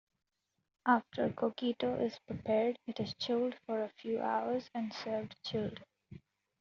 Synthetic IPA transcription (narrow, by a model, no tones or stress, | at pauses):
ʔaːfʈʰəɾkʰoːkiːʈoʔɪz̥pɾɪpɛːɾɖɪʈɪzt͡ʃʰɪlɖfɔːɾəfjuːʔa̰ʊəɾzɛ̃ɳɖsəːɾʋɖt͡ʃʰɪlɖ